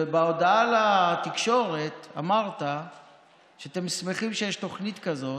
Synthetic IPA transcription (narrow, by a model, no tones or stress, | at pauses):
ebao̞daalatikʃo̞ʁe̞t̪a̰maʁt̪a | ʃeat̪e̞msme̞χimʃejeʃto̞χnit̪kazo̞